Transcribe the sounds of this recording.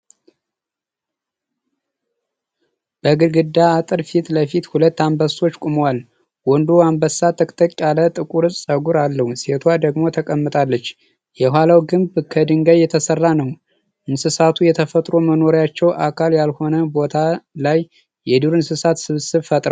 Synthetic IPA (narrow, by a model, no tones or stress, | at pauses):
b̥əɡɨɾɡɨd̪aːt̪ʼɨɾfit̪ləfit̪hulət̪ːambəso̞t͡ʃːkʼumowal | wɔnd̪oambəsːat̪ʰəkʼt̪ʰəkʼːalət̪ʼɨkʼuɾɨzsʼəɡuɾalːəhuse̞t̪ʰwad̪əɡmo̞t̪ʰəkʼəmːɨt̪ʼalːət͡ʃː | jɛhwʷalawɡɨmbkʰəd̪ɨŋɡəβjɛt̪ʰəsərːanəw | ʔɨnsɨsat̪ʰujɛt̪ʰəfət̪ʼɾo̞məno̞ɾjat͡ʃːɛwʔa̰kʰaljalho̞nəbo̞t̪ʰalajː | ɛd̪uɾɨnsɨsat̪sɨβsɨβfət̪ʼɾaw